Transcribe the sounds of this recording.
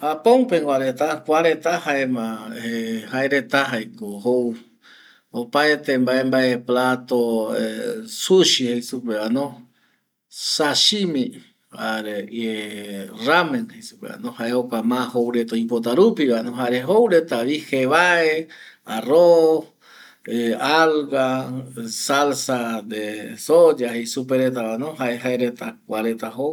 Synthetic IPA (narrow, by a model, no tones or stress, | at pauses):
hapõŋpeŋɡʷaɾet̪akʷaɾet̪ahaemãehaeɾet̪aɦajkohow | opaet̪embaembaʔeplat̪oesuʃihejsupeanõ | saʃimĩ | haɾee | ramẽnhejsu̥pea̰nõhaeokamãhowɾet̪oipot̪̬aɾupiβanõɦaɾeɦowɾet̪aβiheβaearo | ealɣa | salsad̪esod͡ʒahejsup̬eɾet̪̬aβanoɦaeɦaeɾet̪akʷaɾet̪aɦow